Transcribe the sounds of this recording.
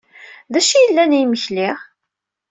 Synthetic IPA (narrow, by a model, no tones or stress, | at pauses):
ðæʃijəlːænijməçlɪʁ